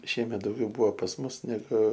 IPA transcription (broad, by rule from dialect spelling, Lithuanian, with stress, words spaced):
ˈʃʲiɛmʲɛt dɐʊˈɡʲɛʊ ˈbʊʋoː pɐs ˈmʊs nʲɛˈɡʊ